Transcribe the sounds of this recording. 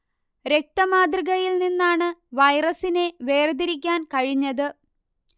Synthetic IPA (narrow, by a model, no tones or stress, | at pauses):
ɾe̞k̚t̪ɐmaːd̪riɣɐjilninːaːɳɨʋɐjrɐsine̞ʋe̞ːrd̪iɾikʲːaːnkɐɻiɲːɐðɨ